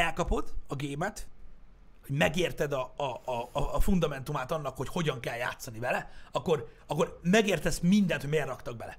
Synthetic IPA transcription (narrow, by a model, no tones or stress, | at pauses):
ɛlkɒpo̞d̪ɒɡeːmɛt̪ | ho̞ɟmɛɡeːrt̪ɛd̪ɒːfund̪ɒmɛnt̪umaːt̪ɒnːɒkhocho̞ɟɒŋkɛlja̰ːt̪sːɒnivɛlɛɒkːo̞r | ɒkːormɛɡeːrt̪ɛsmind̪ɛnt̪homeːrːɒkt̪ɒɡ̚bɛlɛ